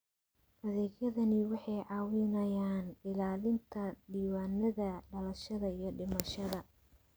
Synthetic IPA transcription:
ʔɐðɛːɡjɐðɐnɪwɑħɑjʕɑːwɪnɐjaːnɖɪlaːlɪnt̪ʰɐdiːwaːnɐðɐɖɐlɐʃɐðɐijɞɖɪmɐʃɐðɐ

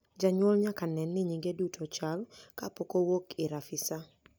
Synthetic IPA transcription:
d͡ʒaɲwɔlɲakanɛnːɪɲiɡedutʰot͡ʃalkapokowokɪɾafɪsa

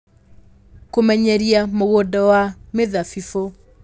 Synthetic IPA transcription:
komɛɲɛɾiamoɣodɔwameðafifo

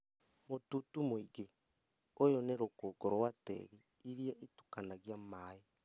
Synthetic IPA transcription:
motutumoiɣe | ojoneɾokoːɡɔɾwatɛ̰ɣi | iɾjaʔitu̥kanaɣjamai

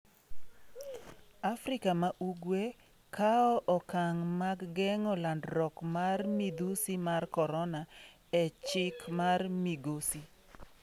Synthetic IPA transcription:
afɾɪkamaʔuɡwe | kaɔʔɔkaŋmaɡɡɛŋɔlandɾɔkmarmid̪usimarkɔɾɔna | ɛt͡ʃɪkmarmiɡosi

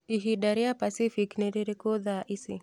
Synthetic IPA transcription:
iɦiɗaɾiapasifiknɛɾiɾikuðaʔisḭ

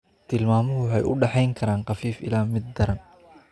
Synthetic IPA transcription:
t̪ʰɪlmaːmɔɦʊwʊħɑjʔʊ̰ɖɑħɑjŋkʰɐɾaːnqɑfiːfɪ̰laːmɪd̪̚ːɐɾɐn

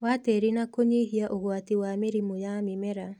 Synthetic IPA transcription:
wateɾinakoɲeɦiaʔoɣwatiwameɾimojamɪmɛɾa

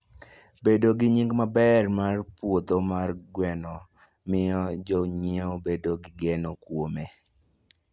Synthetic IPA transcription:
bedoɡɪɲiŋɡmabɛrmarpwot̪omarɡwɛnɔ | mɪjɔd͡ʒɔɲɪɔbedoɡɪɡenokwome

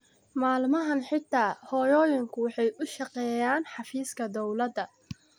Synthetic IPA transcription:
maːlmɐɦɐnħɪt̪ʰːaːhɔːjɔːjɪŋkʰʊwɑħɑjʔʊʃɑqɛːjaːnħɑfiːskʰɐd̪ɔwlɐd̪ɐ

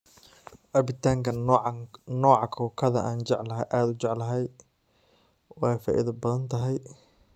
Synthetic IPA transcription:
ʔɐbɪt̪ʰaːŋkʰɐ | nɔːʕɑkʰɔːkʰɐðɐʔaːnt͡ʃɛʕlɐɦʔaːd̪ʊt͡ʃɛʕlɐɦɛj | wɑːjfa̰ːʔɪ̰ðɐbɐðɐnt̪ʰɐɦɛj

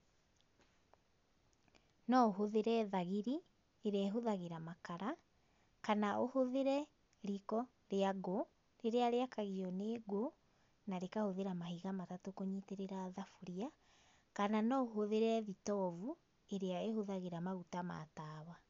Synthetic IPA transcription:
nɔɦoðeɾɛðaɣiɾi | eɾeaeɦoðaɣeɾamakaɾa | kanaohoðeɾɛ | ɾikɔ | ɾeaɣo | neɾeaɾeakaɣiɔneɡo | naɾekahoðeɾamahiɣamatatokoɲiteɾeɾaðafuɾia | kananɔoɦoðeɾɛðitɔvu | eɾeaehoðaɣeɾamaɣutama̰taːwa

